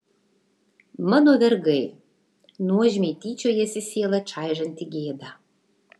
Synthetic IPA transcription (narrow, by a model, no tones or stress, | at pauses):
mə̆nod̪ərɡəj | nuəʑmʲet̪it͡ɕojesʲeselə̆t͡ʃɑjʒə̆nt̪iɡed̪ɑ